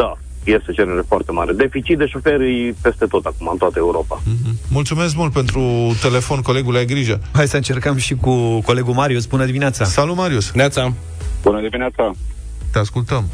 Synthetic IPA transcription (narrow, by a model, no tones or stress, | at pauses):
d̪a | je̞st̪et͡ʃeɾeɾefoart̪ema̰ɾed̪e̞fit͡ʃit̪̚d̪eʃo̞feɾɨjpe̞st̪e̞t̪o̞t̪akumaɨnt̪oat̪əeuɾo̞pa̰ɦ̩mult̪sume̞s̬kmult̪̚pe̞nt̪ɾut̪e̞le̞fo̞nko̞le̞ɡulajɡɾiʒəɦajsəɨnt͡ʃe̞rkəmʃikuko̞le̞ɡumaɾiusbunəd̪imineat̪sasalut̪maɾiusat̪sa | bunəd̪imineat̪sa | t̪easkult̪əm